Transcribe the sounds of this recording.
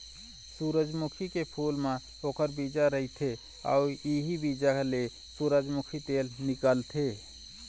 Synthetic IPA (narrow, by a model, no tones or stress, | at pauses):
suːɾəd͡ʒmukʰikepʰuːlmẽ | oːkəɾbid͡ʒaɾəɦit̪ʰe | ɔ̰ːɾjiɦibid͡ʒakele | suːɾəd͡ʒmukʰit̪eːlnɪkəlt̪ʰe